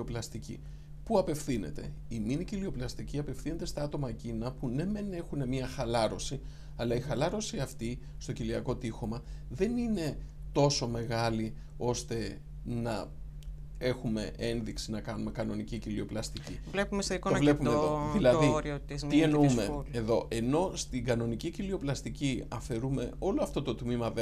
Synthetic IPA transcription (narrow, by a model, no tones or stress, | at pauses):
o̞plɐst̪icḭ | puɐpe̞fθine̞̰t̪e̞̰iminicilio̞plɐst̪iciɐpe̞fθine̞t̪e̞st̪ɐɐt̪o̞mɐcinɐpune̞mene̞xune̞mɲɐxɐlɐɾo̞si | ɐlɐixɐlɐɾo̞siɐft̪i | st̪o̞ciliɐko̞t̪ixo̞mɐðe̞nine̞ | t̪o̞some̞ɣɐli | o̞st̪e̞ | nɐ | e̞xume̞̰ʔe̞nðiksinɐkɐnume̞kɐno̞nicicilio̞plɐst̪icivlepumest̪oikotonepumeðoðilɐiɾiot̪izt̪ienoumeuleðo̞ʔe̞no̞st̪iŋɡɐno̞nicicilio̞plɐst̪iciɐfe̞ɾume̞o̞loɐft̪o̞t̪o̞t̪mimɐðe